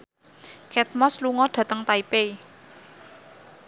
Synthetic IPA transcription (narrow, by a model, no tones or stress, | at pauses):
kʰɛt̪̚mɔsluŋɔɖ̥ä̤t̪əŋt̪aipe